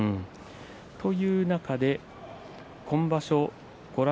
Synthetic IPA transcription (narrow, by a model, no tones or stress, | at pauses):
t̪o̞jɯ̟ːnakad̪e̞ | kʰõ̞mbaɕo̞ | ɡ̥o̞ɾa